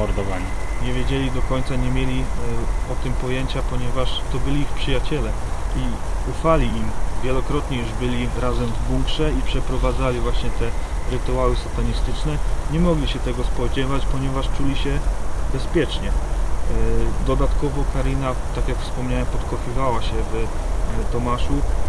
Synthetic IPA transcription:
ɔɾd̪ɔvaɲi | ɲɛvʲjed͡ʑɛlʲid̪ɔkɔɲt̪saɲɛmʲjelʲiɔt̪ɘmpɔjɛɲt͡ɕapɔɲɛvaʂt̪ɔbɘlʲiixpʂɘjat͡ɕɛlɛi | ufalʲiʔimvʲjɛlɔkɾɔt̪ɲɛjuʐbɘlʲiɾazɛmvbuŋkʂɛipʂɛpɾɔvad̪zalʲivwaɕɲɛt̪ɛ | ɾɘt̪uawɘsɔt̪aɲist̪ɘt͡ʂnɛɲɛmɔɡlʲiɕɛt̪ɛɡɔspɔd͡ʑɛvat͡ɕpɔɲɛvaʂt͡ʂulʲiɕɛbɛspʲjɛt͡ʂɲɛ | d̪ɔd̪at̪kɔvɔkaɾina | t̪akʲjakfspɔmɲawɛmpɔt̪kɔfʲivawaɕɛv | t̪ɔmaʂu

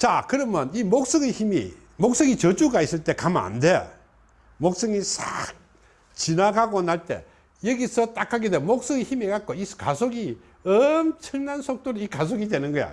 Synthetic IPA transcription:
t͡ɕakɯɾʌmjʌnimok̚s͈ʌɡeçimḭ | mok̚s͈ʌŋit͡ɕʌd͡ʑuɡais͈ɯɭt͈e̞kama̰ndejo̰ | mok̚s͈ʌŋisa̰k̚ | t͡ɕinaɡaɡonaɭt͈e̞̰ | jeɡisʰʌt͈akʰaɡedwemok̚s͈ʌɡeçimekat̚k͈oiskasʰoɡi | ʌmt͡ɕʰɯɭnansʰok̚t͈oɾikasʰoɡidwe̞nɯnɡʌja̰

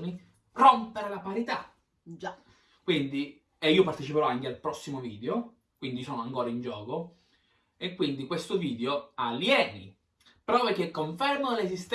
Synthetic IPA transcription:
ni | pɾompeɾelapaɾit̪a | kwind̪i | eiːopart̪et͡ʃipeɾɔaŋk̟ealpɾɔsːimoviːd̪eo | kwind̪isɔːnoaŋkoːɾaind͡ʒɔːko | ekːwind̪ikwest̪oviːd̪eoaljɛːnḭ | pɾɔːvek̟ekːoɱfɛrmolesist̪

